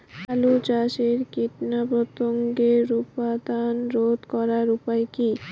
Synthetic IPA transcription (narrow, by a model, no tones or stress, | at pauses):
kalut͡ɕaʃeɾkiʈnapɾot̪oŋɡeɾupad̪anɾod̪kɔɾaɾupaeki